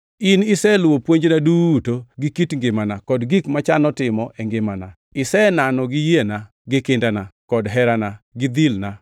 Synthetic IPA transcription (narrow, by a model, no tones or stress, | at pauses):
inɪsɛlwopwoɲd͡ʒnaduːtoɡɪkitŋɡɪmanakɔdɡikmat͡ʃanɔtɪmɔʔɛŋɡɪmana | ɪsɛnanɔɡɪjena | ɡɪkɪndanakɔdɦɛɾanaɡɪd̪ilna